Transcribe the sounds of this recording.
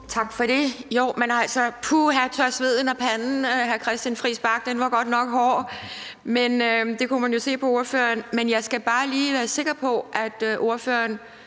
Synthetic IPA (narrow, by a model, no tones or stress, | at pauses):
t͡sʰɑ̈ɡ̥fɒ̽ɾe̝joʊ̰mænhɑ̈ælsɒpʰuɦæɐt͡sʰɶɐsʋe̝ð̞̰ˠn̩æpʰænn̩ɦæɐkʰʁɛsd̥jænfʁḭːsb̥ɑ̈ɡ̥̚d̥enʋɑ̈ɡ̥ɒ̽d̥nɒ̽ɡ̥hɒ̰ː | menød̥e̝kʰumænjo̝se̝̰ːpʰɒ̽o̝ɐfø̰ːɐnmenjɑ̈ɪsɡ̥æb̥ɑ̈ːliːʋæːɐse̝ɡ̥ɐpʰɒ̽ʔæd̥ʔo̝ɐføːɐn